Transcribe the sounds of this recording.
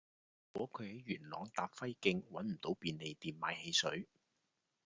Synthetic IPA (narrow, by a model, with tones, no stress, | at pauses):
kwɔː˨˥kʰɵ˨˧ɥhɐ˨˥jɥyː˨˩nlɔ̰ː˨˧ŋt̪aː˨˧pfɐ˥jkɪ˧ŋwɐ˨˥nm̩˨˩t̪o˨˥wpiː˧nle˨jt̪iː˨nmaː˨˧jhe˧jsɵ̰˨˥ɥ